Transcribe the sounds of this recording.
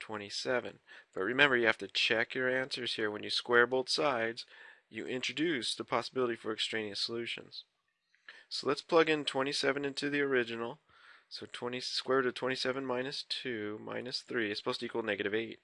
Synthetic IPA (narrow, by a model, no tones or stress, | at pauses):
tʰw̥ɛ̃ɾ̃isɛvɨ̰̃nb̥ʌt̚ɹɨmɛ̃mbə˞jɨhæftɨt͡ʃʰɛkjə˞æ̃nsə˞z̥hiɹwə̃njɨskwɛɹboʊlˠθsaɪdz̥jɨ̰ʔɪ̃nt͡ʃɹ̥ɨdʉsðəpʰɑsəbɪlˠəɾifə˞ɨkstɹ̥ẽɪ̃niɨsəlʉʃɨ̰̃nz̥ | soʊlətspʰl̥ʌɡɨ̃ntʰw̥ɛ̃ɾ̃isɛvɨ̃nɪ̃ntʰʉðiə˞ɪd͡ʒɨnl̩ˠ | soʊtʰw̥ɛ̃ɾ̃iskwɛɹɾɨtʰw̥ɛ̃ɾ̃isɛvɨ̃nmãɪ̃nɨstʰʉmã̰ɪ̃nɨsθɹiɨsə̥pʰoʊstɨikwl̩ˠnɛɡɨɾɨveɪt̚